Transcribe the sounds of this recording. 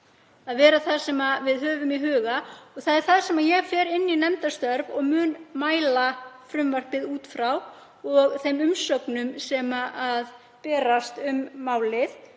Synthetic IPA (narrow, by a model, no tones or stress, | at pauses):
aðvɛːɾaθað̥sɛmavɪðɦœːvʏmiɦœːɣaɔɣθaðɛɾ̥θaðsɛmajɛfɛːɾɪnːinɛmt̪ast̪œɾvɔɣmʏːnmaːjlafɾʏmvar̥pɪðuːt̪fɾaw | ɔɣθejmʏmsœknʏmsɛmaʔað | pɛːɾast̪ʏmːaːwlɪθ